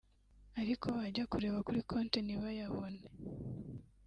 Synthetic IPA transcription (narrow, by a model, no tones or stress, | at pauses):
aɾikʰo̞βaɟakuɾe̞βakuɾikʰoːnteniβajaβo̞̰ne